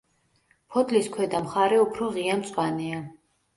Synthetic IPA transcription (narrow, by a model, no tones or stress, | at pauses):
pʰɔd̪ʰʼliskʰwɛd̪amχaɾɛupʰɾɔʁiant̪sʼwanɛa